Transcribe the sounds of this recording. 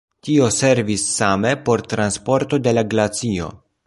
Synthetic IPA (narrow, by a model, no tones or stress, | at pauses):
tio̞se̞ɾvisːame̞po̞ɾt̪ɾanspo̞ɾt̪o̞de̞laɡlat͡sio̞̰